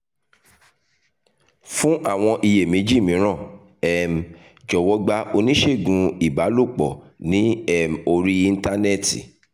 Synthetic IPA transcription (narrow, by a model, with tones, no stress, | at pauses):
fũ˦ʔa˦˨w̃ɔ̃˧ʔi˧je˨mĩ˨˦d͡ʒi˦˨mĩ˨˦ɾ̃ã˦˨ | ɛ˦˨m̩˨ | d͡ʒɔ˨wɔ˧˦ɡ͡ba˧o˧nĩ˦ʃe˦˨ɡũ˧i˨ba˨˦lo˦˨k͡pɔ˨nĩ˨˦ɛ˦˨m˨o˧ɾi˦i˧n̩˦ta˦ne˦˨tḭ˨